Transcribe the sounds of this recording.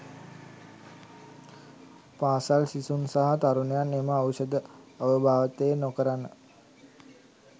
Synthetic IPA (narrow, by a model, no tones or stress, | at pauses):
paːsalsisunsaɦat̪aɾunejaneməaʋsəd̪əaʋəbʱaːʋət̪ejːnokəɾanːə